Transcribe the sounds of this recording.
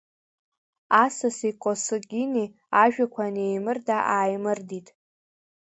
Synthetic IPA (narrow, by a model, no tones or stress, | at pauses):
asasiqʷʼosɨɡʲini | aʒᶣakʷʰanejmɨrdaʔaːjmɨrditʼ